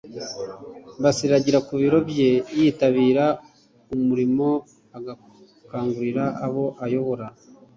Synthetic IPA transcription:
basiɾaɟiɾakuβiɾo̞bje̞jiːtaβiːɾa | umuɾimo̞ | aɡa | kaːŋɡuɾiɾaːβo̞ʔajo̞βo̞ɾa

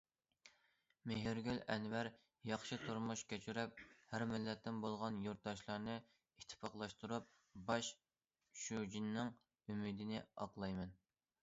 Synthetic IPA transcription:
meɦɪɾɡʲylɛnwæɾ | jɑχʃɨt̪ʰuɾmuʃkʲʰet͡ʃʰyɾɛp̚hæɾmɪlːɛt̪ʰːɪnbolˠʁɑnjoɾt̪̚d̪ɑʃlˠɑɾnɨ | it̪ʰːpɑqlˠɑʃt̪uɾup̚ | bɑʃ | ʃud͡ʒinːɪŋ | ymid̪ɪnɪɑ̰qlˠɑjmɛn

